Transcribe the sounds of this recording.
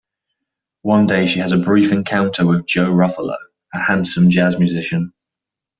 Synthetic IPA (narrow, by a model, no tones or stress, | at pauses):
wʌ̃ndeɪʃiəzəbɹiˑfɛ̃nkʰãʊ̃ntʰəwɪðd͡ʒəʊɹʌfələ̰ | əhãnsə̃md͡ʒazmjʉzɪʃə̃n